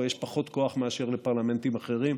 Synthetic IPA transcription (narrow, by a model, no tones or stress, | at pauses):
jɛʃpaχo̞t̪ko̞aχmeaʃeʁlepaʁlame̞nt̪imaχe̞ʁim